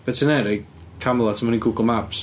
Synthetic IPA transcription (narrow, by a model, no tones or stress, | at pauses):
b̥ɛtʰənɛɾɛj | kʰamlˠatʰəmɔniɡuɡəl̩ˠmaps